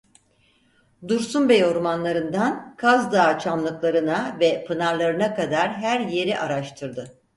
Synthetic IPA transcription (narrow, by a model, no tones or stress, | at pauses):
d̪uɾsunbejo̞ɾmanlˠaɾɯnd̪ankʰazd̪aːt͡ʃʰamlˠɯklˠaɾɯnavɛpʰɯnaɾlˠaɾɯnakʰad̪aɾɦæɾje̞ɾiʔaɾaʃt̪ʰɯɾd̪ɯ